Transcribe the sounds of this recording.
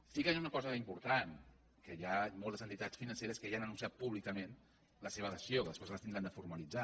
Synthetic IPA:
st̪ikanunəkɔzəimpuɾt̪an | kəjamɔlˠt̪əzənt̪it̪at͡sfinənseɾəskejanənũnsiat̪̚puβlikəmẽn | ləseβəðəsioðəspezləst̪ind̪ɾand̪əfuɾmalid͡za

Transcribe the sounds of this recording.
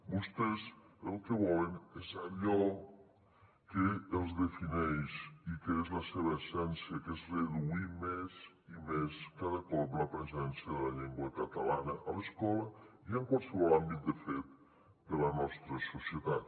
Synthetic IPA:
bust̪ezəlˠkəβɔlənezaʎɔ | keːlˠzðəfinɛjʃikeezləseβəesɛnsjəkezreðuimez | imeskaðəkɔpləpɾəzɛnsjəðəlaʎɛŋɡwəkat̪alanəʔaləskɔləiəŋkwalˠsəβɔlambit̪̚d̪əfet̪̚ | d̪əlanɔst̪ɾəsusjət̪at̪̚

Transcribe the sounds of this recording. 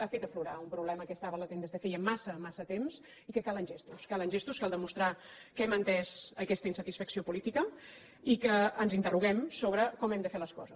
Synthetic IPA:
afet̪əfluɾaumpɾuβlɛməkɛst̪aβələt̪end̪əzðefejəmːasəmasət̪emz | ikəkalˠənʲʒest̪uskalənʲʒest̪uskalˠd̪əmust̪ɾakɛmənt̪ɛzəkɛst̪əinsət̪isfəksiopulit̪ikə | ikəːnzint̪əruɣ̞ɛmsoβɾəkɔmɛmd̪əfeləskɔzəs

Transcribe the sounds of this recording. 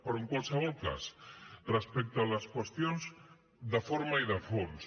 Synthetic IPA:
poɾuŋkwalsaβolka̰srespek̚t̪oalaskwest̪jonz | d̪afoɾmaiðafons

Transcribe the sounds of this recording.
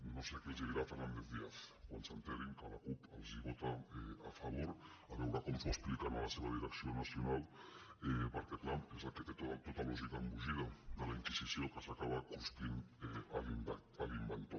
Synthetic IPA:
nõsekelzeβiɾafeɾnand̪eθðiaθkwansant̪eɾiŋkalakupalziβot̪aeafaβoɾ | aβewɾakomsoesplikanalaseβaðiɾeksjonasjonalepaɾket̪lampesat̪eket̪ot̪ot̪alɔʒikambuʒiðad̪alaiŋkisisjokasakaβakust̪ineali | alimbent̪o

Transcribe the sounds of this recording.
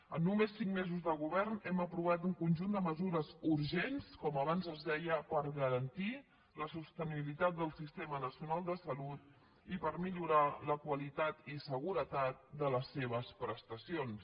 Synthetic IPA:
ənːumesːiŋmezuzðəɣuβɛrnɛməpɾuβ̞at̪uŋkunʲʒund̪əməzuɾəzuɾʒenskɔməβ̞anzəzðɛjəpəɾɣəɾənt̪i | ləsust̪əniβilit̪at̪̚d̪əlˠsist̪emənəsiunalˠd̪əsəlut̪̚ | ipəɾmiʎuɾaləkwəlit̪at̪isəɣuɾət̪at̪̚d̪ələsːeβ̞əspɾəst̪əsions

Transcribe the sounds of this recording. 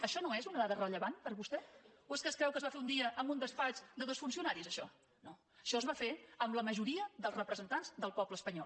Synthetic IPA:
əʃɔnoezunəðaðərəʎəβanpəɾβust̪ɛoeskəskɾɛwkəzβafeund̪iəʔːmbund̪əspat͡ʃd̪əðosfunsiunaɾizəʃɔ | no | əʃɔəzβafeəmləməʒuɾiəðəlˠzrəpɾəzənt̪anzðəlˠpɔpləspəɲɔl

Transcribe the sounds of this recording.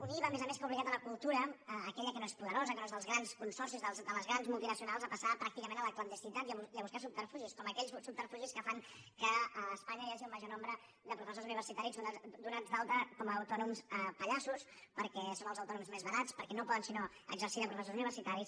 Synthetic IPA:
uniβəmezəmeskupliɣat̪ələkulˠt̪uɾəːkɛʎəkənoespuðəɾozəkənoezðəlˠzɣɾanskunsɔrsizðəlˠzd̪ələzɣɾanzmulˠt̪inəsiunalˠzəpəsapɾak̚t̪ikəmẽnələklənd̪əst̪it̪at̪iəβiəβuskasup̚t̪əɾfuʒiskɔməkɛʎssuppərfuʒiskəfaŋ | kəəːspaɲəiaʒiuməʒonɔmbɾə | d̪əpɾufəsozuniβəɾsit̪aɾizunad̪unad͡zd̪alˠt̪əkɔməːwt̪ɔnumsəpəʎasuspəɾkɛsonəlzəwt̪ɔnumzmezβəɾat͡spəɾkɛnopɔðənsino | ə̰ɡzəɾsiðəpɾufəsozuniβəɾsit̪aɾis

